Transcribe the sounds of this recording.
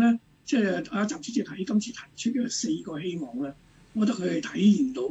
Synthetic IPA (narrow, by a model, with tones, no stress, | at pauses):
ɛː˥ | t͡sɛː˥˧˩a˨˧˥t͡saː˨˩mt͡ʃʰt͡sʰːi˧t̪ʰɐ˨˥jkɐ˥mt͡sʰiː˨˧t̪ʰɐ˨˩jt͡ʃʰt̚kɛː˧se˧jkɔː˧ɦe˥jmɔː˨˩ŋlɛː˥ | ŋɔː˨˧t̪̬ɐ˥kʰɵ˨˧ɥha˨˩jt̪ʰɐ˨˥jjiː˨˩nt̪o˨˧w